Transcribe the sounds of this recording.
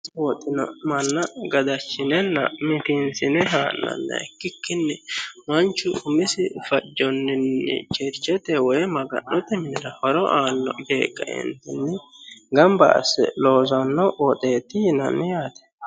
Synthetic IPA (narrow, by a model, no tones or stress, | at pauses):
wɔt̪ʼːɪnɐ̰mɐnːɐɡɐd̪ɐt͡ʃːɪnɛnːɐ̰mɪt̪ɪnsɪnɛɦaːʔːɐ̰nːɐ̰ɛkːɪkːɪnːɛmɐnt͡ʃːʊʊmɪsɪfɐd͡ʒːɔnːɪnːɛ̰t͡ʃɛɾt͡ʃːɛt̪ɛwɔjmɐɡɐ̰nːɔt̪ɛmɪnɪɾɐfɐɾɔʔaːnːɔ̰ɡeːkʼːɐɛ̰nt̪ːɛnːɛɡɐmbɐ̰ɐ̰sːɛ̰loːzɐnːɔwɔt̪ʼeːt̪ːɪjɪnɐ̰nːɪjaːt̪ɛ̥